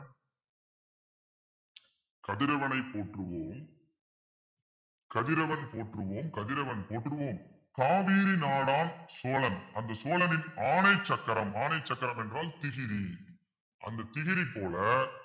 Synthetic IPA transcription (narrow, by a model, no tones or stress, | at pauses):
kɐðɪɾɐʋɐnɐɪpːoːʈrɯʋoːm | kɐðɪɾɐʋɐnpoːʈrɯʋoːmkɐðɪɾɐʋɐnpoːʈrɯʋoːm | kaːʋiːɾinaːɽaːnsoːlɐnʔɐnd̪ɐsoːlɐnɪnaːnɐt͡ʃːɐkːɐɾɐmaːnɐɪt͡ʃːɐkːɐɾɐmɛndraːlt̪ɪɣɪɾi | ʔɐ̰nd̪ɐt̪ɪɣɪɾipːoːlɐ